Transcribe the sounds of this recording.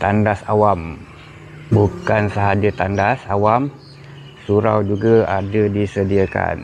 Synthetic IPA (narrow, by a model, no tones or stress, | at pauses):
t̪andasawam | bukansəɦad͡ʒət̪andasawam | suɾawd͡ʒuɡaadadisədiaka̰n